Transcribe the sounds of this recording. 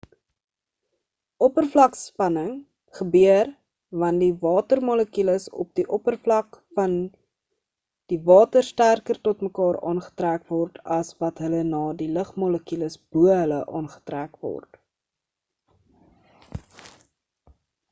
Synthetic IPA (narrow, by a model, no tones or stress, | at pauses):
ʔɔpərflɐkspɐnəŋ | χəbyər | vɐndivɑːtərmɔləkyləsɔ̰p̚diʔɔpərflɐkfɐn | d̥ivɑːtərstærkərtɔtməkɑːrɑ̰ːnχə̥trækvɔrtʰɐsvɐtɦələnɑːdiləχmɔləkyləsb̥uəɦələʔɑ̰ːnχə̥trækvɔ̰rt